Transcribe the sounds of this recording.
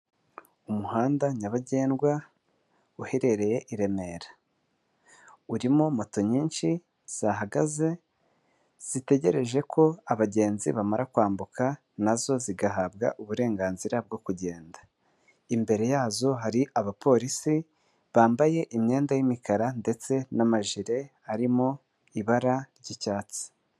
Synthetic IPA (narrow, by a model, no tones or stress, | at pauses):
umuhaːndaɲaβaɟe̞ːnɡwa | uhe̞ɾe̞ɾe̞je̞ʔiɾe̞me̞ɾa | uɾimomo̞to̞ɲiːnʃi | z̥aɦaɡaze̞ | z̥ite̞ɟe̞ɾe̞ʒe̞kʰo̞aβaɟe̞ːnzḭβamaɾakwaːmbuka | nazo̞ziɡaɦaːbɡa̰ʔuβuɾe̞ːŋɡaːnziɾab̚ɡo̞kuɟe̞ːndḁ | imbe̞ɾe̞jaːzo̞ɦaɾiʔaβapʰo̞ɾisi | βaːmbaje̞ʔimɲe̞ːndajimikaɾande̞t͡se̞namaʒiɾe̞ | aɾimo | iβaɾaɾɟicaːt͡si̥